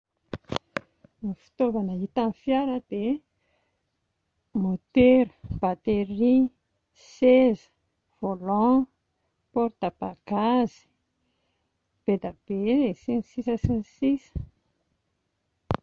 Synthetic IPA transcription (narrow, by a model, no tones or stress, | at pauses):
nifi̥t̪ovanəit̪anfjaɾəd̪̥e | mot̪eɾəb̥at̪eɾi | sez̥ | v̥olɔ̃ | pɔɾt̪ab̥aɡ̥azi̥ | b̥ed̪ab̥esinsisəsinsisə̥